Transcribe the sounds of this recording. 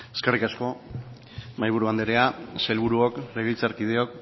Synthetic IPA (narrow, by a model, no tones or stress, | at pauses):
e̞̥skerikasko̞ | majβ̞uɾuand̪eɾeaselβuɾuokle̞ɣejt͡saɾkið̞e̞o̞k